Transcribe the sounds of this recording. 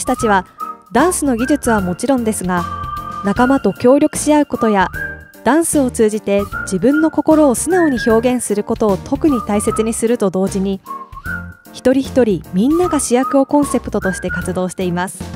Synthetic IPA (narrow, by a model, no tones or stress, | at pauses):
i̥t̪at͡ɕiβ̞ad̪ãɰ̃sɨno̞ɡʲiʑɨt͡sɨβamo̞t͡ɕiɾõ̞nd̪e̞sɨɡanakamat̪o̞kʲo̞ːɾʲjo̞kɯ̟̥ɕiaɯ̟ko̞t̪o̞ja | d̪̥ãɰ̃sɨo̞t͡sɨːʑit̪e̞d͡ʑibɯ̟̃nːo̞ko̞ko̞ɾo̞ːsɨnao̞ɲ̟iço̞ːɡẽ̞ɰ̃sɨɾɯ̟ko̞t̪o̞ːt̪ʰo̞kɯ̟ɲ̟it̪aise̞t͡sɨɲ̟isɨɾɯ̟t̪o̞d̪o̞ːd͡ʑiɲ̟i | çi̥t̪o̞ɾʲiçi̥t̪o̞ɾʲimʲĩnːaɡaɕijakɯ̟o̞kõ̞ɰ̃se̞pɯ̟̥t̪o̞t̪o̞ɕi̥t̪e̞kat͡sɨd̪o̞ːɕi̥t̪e̞imasɨ̥